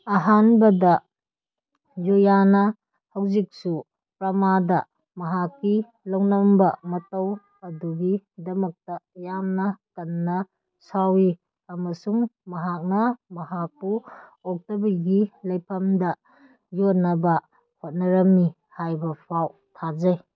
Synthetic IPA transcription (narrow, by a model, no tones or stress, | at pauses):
ɐɦanbɐdɐ | zojanɐ | hɐwzik̚su | pɾɐmadɐ | mɐɦakːi | lɐwnɐmbɐmɐtɐw | ɐduɡidɐmɐk̚tɐjamnɐkɐnːɐ | sawi | ɐmɐsuŋmɐɦak̚nɐmɐɦak̚puɔk̚tobɐɡilɐjpʰɐmdɐ | jonɐbɐ | hot̚nɐɾɐmːi | hajbɐpʰaw | tʰazɐj